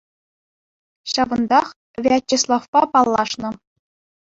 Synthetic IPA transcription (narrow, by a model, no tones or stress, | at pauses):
ɕɑʋɤ̆nd̪ɑχ | vʲeæt͡ɕːislˠɑfpɑpɑlˠːɑʂnɤ̆